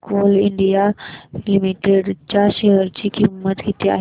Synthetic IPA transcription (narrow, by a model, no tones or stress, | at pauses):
koːlɪ̃ɳɖijalimiʈeɖt͡ɕaʃeɦəɾd͡ʑikimːət̪ɡit̪ea̰ːɦe